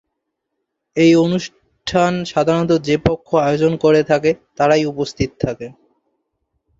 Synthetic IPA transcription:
ejonuʃ | ʈʰanʃad̪ʱaɾɔt̪̬od͡ʑepokʰːoaod͡ʑonkoɾet̪ʰaket̪aɾajupost̪ʰit̪ot̪ʰːake

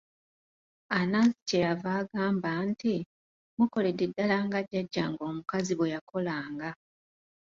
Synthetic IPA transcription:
anaːsi̥cejavaːɡaːmbanti | muko̞ledidːalaːŋɡaɟːaɟːaŋɡo̞ːmukaziβwejako̞laːŋɡa

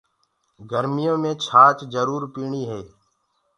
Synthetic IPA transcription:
ɡəɾmɪjõːmẽːt͡ʃʰaːt͡ʃzəɾuːɾpiːɳiːɦeː

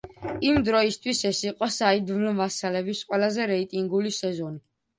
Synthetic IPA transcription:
imd̪ɾɔist̪ʰwisɛsiqʼɔsaid̪vlmasalɛbisqʼwɛlazɛɾɛit̪ʼiŋɡulisɛzɔni

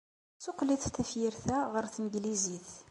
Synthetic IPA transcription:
sʊqliθθæfjiɾθæʁəɾθnɡliziθ

